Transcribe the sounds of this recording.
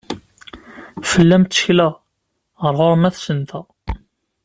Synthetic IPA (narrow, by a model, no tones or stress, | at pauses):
fəlːæmt̪t͡sːə̥çlæ | ʁəɾʁoɾmæθsənt̪æ